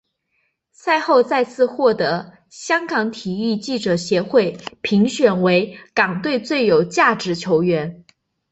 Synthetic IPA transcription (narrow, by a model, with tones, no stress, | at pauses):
sa˥˧ɪxo˥˧ʊt͡sa˥˧ɪt͡sʰɹ̩˥˧xwɔ˥˩t̪ɤ˧˥ | ɕjɑ˥ŋkɑ˧˥ŋt̪ʰi˨˩i˥˧t͡ɕi˥˩ʈ͡ʂɤ˨˩ɕjɛ˧˥xwe˥˩ɪpʰi˧˥ŋɕɥɛ˨˩nwe˧˥ɪkɑ˨˩ŋt̪we˥˧ɪt͡swe˥˩ɪjo˨˩ʊt͡ɕja˥˩ʈ͡ʂɻ̩˧˥t͡ɕʰjo˧˥ʊɥɛ˧˥n